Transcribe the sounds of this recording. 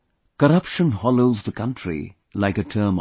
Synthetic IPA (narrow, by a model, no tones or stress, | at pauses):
kəɾʌpʃə̃nhɑloʊzðəkʰʌ̃ntʰɹḭ | laɪkɨtʰɜːm